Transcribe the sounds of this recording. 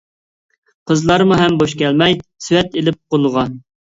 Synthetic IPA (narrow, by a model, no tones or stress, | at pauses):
qʰəzlˠɑɾmuɦɛmboʃkʲɛlmɛjsywɛt̪elɪp̚qolˠʊʁɑ